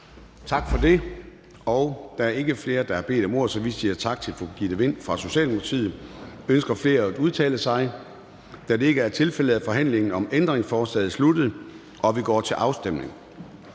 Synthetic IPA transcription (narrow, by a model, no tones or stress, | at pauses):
t͡sʰɑ̈ɡ̥fɒ̽d̥e̝ | ɒʊd̥ɑæɐe̝ɡ̥əfle̝ːɐd̥ɑ̈hæb̥e̝̰ːd̥ɒ̽mo̝ɐ̰sɒ̽ʋisiːɐt͡sʰɑ̈ɡ̥̚t͡sʰe̝lfɒ̽ɡ̥ḭːd̥eʋe̝n̰fʁɑ̈so̝ɕɛ̰ːldem̥ʰt͡sʰið̰̩ˠønsɡ̥ɐfle̝ːɐæd̥uð̞ˠt͡sʰɛ̰ːləsɑ̈ɪ | d̥æde̝e̝ɡ̥əæɐt͡sʰe̝lfel̰əðˠæfɒ̽ɦæn̰le̝ŋn̩ɒ̽mend̥ʁeŋsfɒːsɛ̰ːð̞̩ˠslud̥ð̩ˠ | ʔɒ̽ʋiɡ̥ɒ̰ːt͡sʰe̝lʔɑ̈ʊsd̥em̰ne̝ŋ